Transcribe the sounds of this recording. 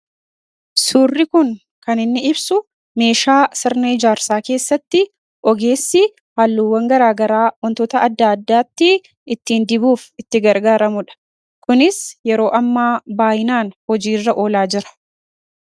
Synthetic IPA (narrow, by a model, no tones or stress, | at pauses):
suːrːɪkʊŋ | kɐnɪnːɪɪbsʊ | me̞ːʃaːsɪɾnɐɪd͡ʒaːɾsaːke̞ːsːɐt̪ːɪ | ʔɔɡe̞ːsːɪ | haːlːuwːɐŋɡɐɾaːɡɐɾaːwɔnt̪ɔːt̪ɐɐd̪ːaːd̪ːaːt̪ːɪ | ɪt̪ːiːnd̪ɪbuːfɪt̪ːɪɡɐɾɡaːɾɐmʊᶑɐ̥ | kʊnɪsjɛɾo̞ːʔɐmːaːbaːjɪnaːnhɔd͡ʒiːrːɐʔo̞ːlaːd͡ʒɪɾɐ̥